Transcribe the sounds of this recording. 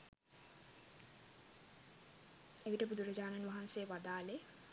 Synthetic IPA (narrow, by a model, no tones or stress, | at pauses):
eʋiʈəbud̪uɾəd͡ʑaːnanʋaɦansejʋad̪aːle